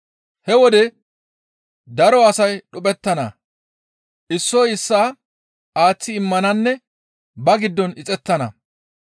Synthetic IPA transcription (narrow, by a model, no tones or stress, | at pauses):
hɛwɔd̪ɛ | d̪ɐɾɔɐsɐjɗʊpʼɛt̪ːɐnɐ̰ | ʔɪsːɔjɪsːaː | aːt͡sːɪːɪmːɐnɐnːɛ | bɐɡɪd̪ːɔnɪt͡sʼɛt̪ːɐnɐ̰